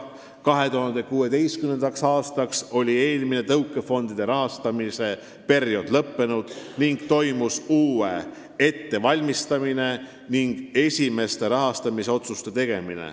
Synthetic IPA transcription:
kɑɦe̞t̪uɦɑnd̪e̞kuːe̞d̪e̞jstkymnend̪ɑksɑːst̪ɑkso̞lʲie̞ːlmine̞t̪ɤwkːˑe̞fo̞nd̪̥id̪̥e̞ɾɑɦɑst̪ɑmise̞ | pe̞ɾjo̞d̪̥lɤpːe̞nud̪̥niŋɡ̥t̪o̞jmusuːe | e̞t̪ːe̞vɑlʲmist̪ɑmine̞ | niŋɡ̥e̞sʲime̞st̪e̞ɾɑɦɑst̪ɑmiseo̞t̪sust̪e̞t̪e̞ɡ̥e̞minḛ

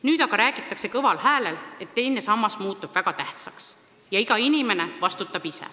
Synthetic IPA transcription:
nyːd̪̥ɑɡ̥ɑɾæːɡ̥it̪ːˑɑkse̞kɤvɑlhæːlele̞t̪ːe̞jne̞sɑmːɑsmuːt̪ːˑub̥væɡ̥ɑt̪æht̪sɑks | jɑiɡ̥ɑinime̞ne̞vɑst̪ut̪ːˑɑb̥isḛ

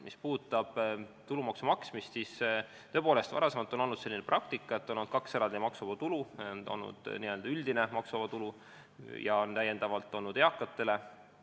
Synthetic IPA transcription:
mʔispuːt̪ːˑɑb̥t̪ulumɑksumɑksmist̪sis | t̪øpo̞ːle̞st̪vɑ̰ɾɑsemɑlt̪ːˑo̞no̞lnːud̪se̞lʲːineprɑk̚t̪ikˑːɑet̪ːˑonond̪̥̚kɑkse̞ɾɑnd̪̥imɑksuvɑt̪uluono̰lnṵd̪̥niø̞ld̪̥ɑyld̪̥ine̞mɑksuvɑt̪ulu | jɑont̪æje̞nd̪̥ɑvɑlt̪ːˑo̞nud̪eɑkːˑɑt̪ːˑe̞le̞

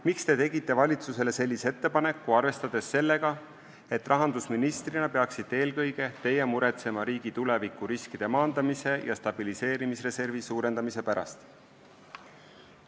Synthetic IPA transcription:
mikst̪e̞t̪e̞ɡ̥it̪ˑːe̞vɑlʲit̪suse̞le̞se̞lʲːise̞t̪ːe̞pɑne̞kːuɑrve̞st̪ɑd̪̥e̞sːe̞lːe̞ɡɑ | e̞t̪ːˑrɑɦɑnd̪usminist̪rinɑpeɑksid̪̥ˑːe̞ːlkɤjɡe̞t̪e̞je̞muɾe̞t̪se̞mɑɾiːɡ̥it̪ule̞vikːˑuɾiskid̪̥e̞mɑːnd̪̥ɑmise̞jɑst̪ɑb̥ilise̞ːɾimisre̞se̞rvisuːɾend̪̥ɑmise̞pæɾɑ̰st̪

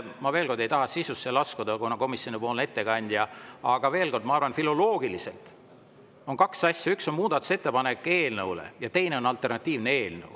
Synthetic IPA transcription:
mɑve̞ːlko̞rd̪̥e̞jt̪ɑɦɑsisusːelɑskud̪ɑkunɑko̞misjo̞nipo̞ːlne̞t̪ːe̞kɑnʲd̪̥jɑɑɡ̥ɑve̞ːlko̞rd̪mɑɑrvɑnfilo̞lo̞ːɡ̥iliselt̪ | o̞nkɑksɑsʲjɑykso̞nmuːd̪̥ɑt̪ːu̥se̞t̪ːepɑne̞kːe̞ːlnɤwlḛjɑt̪e̞jne̞o̞nɑlt̪ːˑe̞rnɑt̪ʲːiːvneeːlnə̰w

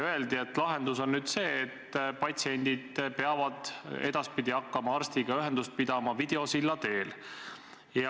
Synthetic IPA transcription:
øe̞ld̪ie̞t̪ːˑlɑɦe̞nd̪uso̞nːyːd̪̥se̞ːt̪ːpɑt̪ʲsie̞nʲd̪̥id̪̥peɑvɑd̪̥e̞d̪̥ɑspid̪̥iɑkːɑmɑɑrst̪iɡ̥ɑyɦe̞nd̪̥ust̪̚pid̪̥ɑmɑvid̪̥e̞o̞silːɑt̪e̞ːl | j

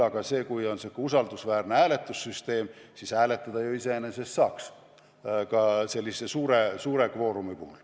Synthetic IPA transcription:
ɑɡ̥ɑse̞ːkujo̞nsekːusɑld̪̥usvæːrneæːle̞t̪ːˑusːyst̪e̞ːmsisæːle̞t̪ːˑɑd̪̥ɑjuise̞ene̞se̞st̪ːɑːks | kɑse̞lʲːise̞suːɾesuːɾe̞kvo̞ːɾumipṵːl

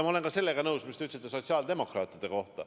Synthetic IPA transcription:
mɑole̞nkɑse̞lːeɡ̥ɑnɤwsmist̪yt̪set̪ːˑesot̪siɑːld̪e̞mo̞krɑːt̪ːˑid̪̥e̞ko̞ht̪ɑ̰

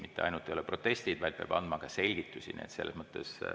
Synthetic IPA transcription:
mit̪ːˑeɑ̰jnult̪ːˑe̞jo̞leprot̪ːˑe̞st̪id̪̥vɑjd̪̚peɑ̰ːb̥ɑ̰nd̪mɑɡ̥ɑse̞lʲɡ̥it̪ːˑusḭnḭḛt̪se̞lːesmɤt̪ːe̞̰s

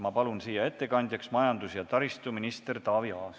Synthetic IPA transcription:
mɑpɑlunsiːjɑe̞t̪ˑːe̞kɑnʲd̪̥ʲjɑksmɑjɑnd̪usjɑt̪ɑɾist̪uminist̪ert̪ɑːviɑː

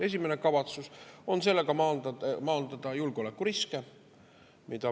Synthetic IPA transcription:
e̞sʲime̞ne̞kɑvɑt̪suso̞nse̞lːeɡ̥ɑmɑːnd̪ɑmɑːnd̪̥ɑd̪̥ɑjulɡ̥eo̞le̞kːˑuɾiske | mid̪̥ɑ

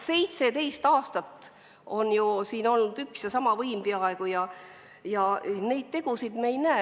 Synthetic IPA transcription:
se̞jt̪se̞t̪e̞jst̪ɑːst̪ɑt̪ːˑ | o̞njusiːno̞lnud̪̥yksjesɑmɑvɤjmpeɑe̞ɡ̥ujɑ | jɑne̞jd̪̥̚t̪e̞ɡ̥usid̪̥mejnæe

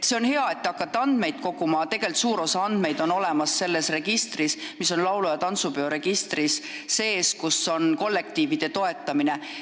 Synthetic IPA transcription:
t̪seo̞nhe̞ɑe̞t̪ːeɑkːˑɑt̪ːeɑnd̪̥me̞jd̪̥̚ko̞kumɑt̪e̞ɡ̥e̞lt̪suːɾo̞sɑɑnd̪̥me̞jd̪̥o̞no̞le̞mɑsːe̞lːe̞sre̞ɡ̥ist̪rismiso̞nlɑwlujɑt̪ɑnt̪supeo̞ɾe̞ɡ̥ist̪risː | e̞ːskuso̞nko̞lːe̞k̚t̪iːvid̪̥e̞t̪o̞e̞t̪ːˑɑmine̞

